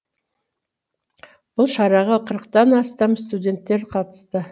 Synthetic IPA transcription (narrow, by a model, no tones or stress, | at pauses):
b̥ʊlˠʃɑɾɑʁɑqʰəɾəqt̪ɑnɑst̪ɑmst̪ud̪ʲe̞nt̪ːe̞ɾqʰɑt̪ə̥st̪ə